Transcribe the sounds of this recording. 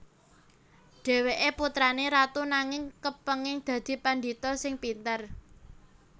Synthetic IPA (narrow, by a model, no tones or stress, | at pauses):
ɖ̥e̤weʔeput̪ɾaneɾat̪unaŋɪŋkəpəŋɪŋd̪̥ä̤d̪̥i̤pandit̪ɔsɪŋpint̪ər